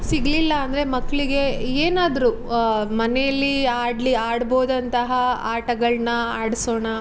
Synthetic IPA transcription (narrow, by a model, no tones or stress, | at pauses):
siɡlilːɐːnd̪ɐɾemɐkːɐɭiɡe̞eːnaːd̪ɐɾu | mɐnɛjɐlːiaːɽliaːɽboːd̪ɐnt̪ɐɦɐaːʈɐɡɐɭnɐaːɽso̞ːɳɐ